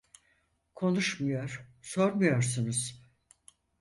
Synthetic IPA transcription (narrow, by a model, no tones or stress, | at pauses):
kʰo̞nuʃmujoɾ̥so̞ɾmujo̞ɾs̬unuz̥